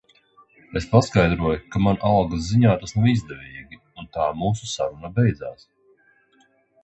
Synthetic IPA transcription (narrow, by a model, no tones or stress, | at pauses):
espaskajd̪ɾuɔjukamanʔalˠɡazziɲaːt̪asnawizd̪ɛvʲiːɡʲi | unt̪aːmuːsusaɾunabɛjd̪zaːs